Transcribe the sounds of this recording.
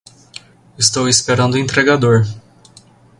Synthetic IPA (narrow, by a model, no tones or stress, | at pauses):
ist̪owispeɾɐ̃nd̪ʊẽnt̪ɾeɡad̪oɾ